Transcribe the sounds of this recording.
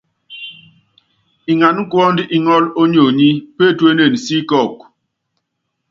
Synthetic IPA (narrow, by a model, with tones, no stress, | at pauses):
i˨ŋa˨n˦kwɔ˦ndi˦ʔi˨ŋɔ˦lo˦ɲo˨ɲi˦pe˦˨twe˦ne˨n˨si˦kɔ˦˨k̚